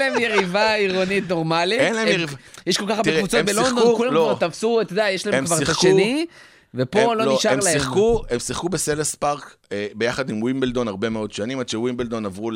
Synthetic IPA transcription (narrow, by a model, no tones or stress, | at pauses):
laemjeʁivaiʁonit̪no̞ʁmalienlaemjivajeʃkolkaχb̪eʁkevut͡sobelnkulalokvaʁt̪afsuat̪od̪eajeʃlaemkvaʁsaʃkʃeni | vepololniʃaemʁlaeiχkuemsiχkubeselespaʁk | ebejaχad̪imwimbeld̪o̞naʁbemeo̞d̪ʃanimadʃewimbeld̪onavʁu